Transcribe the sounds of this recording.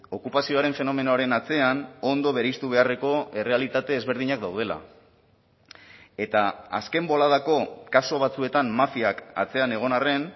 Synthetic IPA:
o̞kupasio̞aɾe̞ɱfe̞no̞me̞noaɾe̞nat͡se̞ano̞nd̪o̞βe̞ɾjst̪uβe̞are̞ko̞e̞re̞alit̪at̪e̞ːzβ̞e̞ɾð̞iɲakd̪awð̞e̞la̰ | e̞t̪aa̰ske̞mbo̞laðako̞kaso̞βat͡sue̞t̪ammafiaka̰t͡se̞ane̞ɣ̞o̞nare̞n

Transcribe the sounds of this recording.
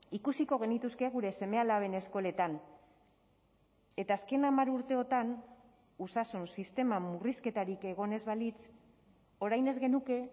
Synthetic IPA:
ikusiko̞ɣ̞e̞nit̪uske̞ɣ̞uɾe̞se̞me̞alaβe̞ne̞sko̞le̞t̪an | e̞t̪aːske̞namaɾuɾt̪e̞o̞t̪an | usasunsist̪e̞mamuriske̞t̪aɾike̞ɣ̞o̞ne̞zβalit͡s | o̞ɾajne̞zɣe̞nuke̞

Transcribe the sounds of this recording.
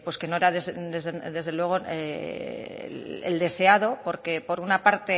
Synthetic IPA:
pweske̞no̞eɾaðezd̪ezed̪e̞zð̞e̞lwe̞ɣ̞o̞ | ḛḛld̪e̞se̞aðo̞po̞ɾke̞po̞ɾunapaɾt̪e̞

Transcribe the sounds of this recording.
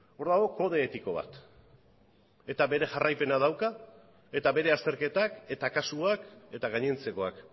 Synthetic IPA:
o̞ɾðaɣo̞ko̞ð̞e̞ːt̪iko̞β̞a̰t̪ | e̞t̪aβe̞ɾe̞ʝarajpe̞nað̞awka | e̞t̪aβe̞ɾe̞ast̪e̞ɾke̞t̪ake̞t̪akasuake̞t̪aɣaɲe̞nt͡se̞ko̞ak

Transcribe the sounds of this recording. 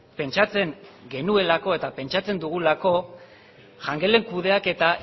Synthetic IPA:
pe̞nt͡ʃat͡se̞ŋɡe̞nue̞lako̞e̞t̪ape̞nt͡ʃat͡se̞nd̪uɣ̞ulako̞ | ʝaŋɡe̞le̞ŋkuð̞e̞ake̞t̪a

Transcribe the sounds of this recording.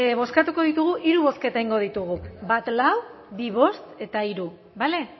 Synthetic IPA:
βo̞skat̪uko̞ðit̪uɣ̞uʔiɾuβ̞o̞ske̞t̪aiŋɡo̞ð̞it̪uɣ̞ubat̪law | biβ̞o̞st̪e̞t̪aiɾu | bale̞

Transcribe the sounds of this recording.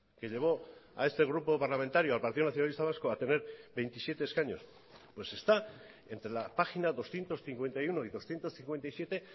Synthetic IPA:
ke̞ʎe̞β̞o̞a̰e̞st̪e̞ɣ̞ɾupo̞paɾlament̪aɾjoalpaɾt̪iðonaθjonalist̪aβ̞askoat̪e̞ne̞ɾβe̞jnt̪isje̞t̪e̞ːskaɲo̞̰s | pwe̞se̞st̪a | e̞nt̪ɾe̞lapaxinaðo̞sθje̞nt̪o̞sθiŋkwe̞nt̪ajuno̞iðo̞sθje̞nt̪o̞sθiŋkwent̪ajsje̞t̪e̞

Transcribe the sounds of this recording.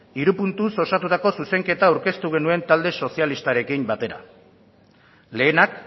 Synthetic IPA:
iɾupunt̪uso̞sat̪ut̪ako̞suse̞ŋke̞t̪aːwɾke̞st̪uɣ̞e̞nue̞nt̪ald̪e̞so̞sialist̪aɾe̞kimbat̪e̞ɾa̰ | le̞ːnak

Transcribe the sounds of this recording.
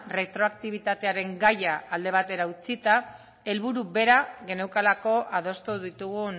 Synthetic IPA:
re̞t̪ɾo̞ak̚t̪iβ̞it̪at̪e̞aɾe̞ŋɡajaːld̪e̞β̞at̪e̞ɾaut͡sit̪a | e̞lβuɾuβe̞ɾaɣe̞ne̞wkalako̞ʔaðo̞st̪uðit̪uɣu

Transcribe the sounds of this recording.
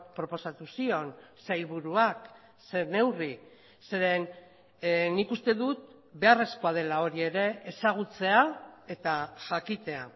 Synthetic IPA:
pɾo̞po̞sat̪usio̞nsajlβuɾuak | sene̞wri | se̞ɾe̞n | nikust̪e̞ðut̪̚ | be̞are̞sko̞að̞e̞lao̞ɾie̞ɾe̞esaɣ̞ut͡se̞ae̞t̪aʝakit̪e̞a

